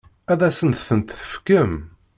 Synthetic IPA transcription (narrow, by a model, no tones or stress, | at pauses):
æðæsənt̪θənt̪θə̥fkəm